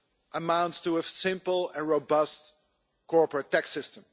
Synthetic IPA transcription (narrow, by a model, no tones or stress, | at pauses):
ʔəmãʊ̃ntstəəsɪ̃mpl̩ˠɛ̃nɹoʊbʌst̚ | kɔɹpɹətɛksɪstə̃m